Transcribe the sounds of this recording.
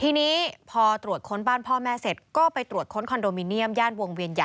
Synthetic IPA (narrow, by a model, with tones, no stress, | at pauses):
t̪ʰiː˧niː˦˥pʰɔː˧t̪ɾu˨˩ət̪̚kʰo˦˥nbaː˥˩npʰɔː˥˩mɛː˦˥se˨˩t̪̚kɔː˥˩pa˧jt̪ɾu˨˩ət̪̚kʰo˦˥nkʰɔ˧ndoː˧mi˧ni˦˥əmjaː˥˩nwo˧ŋwi˧ənja˨˩